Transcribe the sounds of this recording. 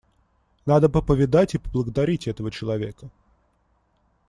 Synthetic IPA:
nad̪əpəpəvʲɪd̪atʲipəblˠəɡəd̪ɐɾʲitʲɛt̪əvət͡ɕɪlˠɐvʲe̞kə

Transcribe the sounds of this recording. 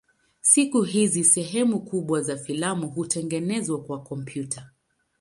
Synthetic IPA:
sikuɦizisɛɦɛmukuɓwazafilamuɦutʰɛŋɡɛnɛzwakwakɔmpʰjuta

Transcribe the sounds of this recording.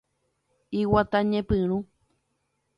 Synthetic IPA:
iwat̪aɲẽpɨ̃ɾ̃ũ

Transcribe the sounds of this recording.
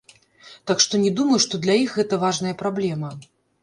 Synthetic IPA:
t̪akʂt̪ɔnʲɛd̪umɐjuʂt̪ɔd̪lʲɐixɣɛt̪ɐvaʐnɐjɐpɾablʲɛmɐ

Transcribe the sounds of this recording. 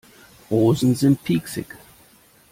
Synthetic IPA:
ɔːzn̩zɪ̃npʰiksɪ̰k

